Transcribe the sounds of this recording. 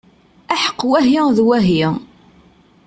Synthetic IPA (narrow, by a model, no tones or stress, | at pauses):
æħə̥qːwæɦjɪðwæɦjɪ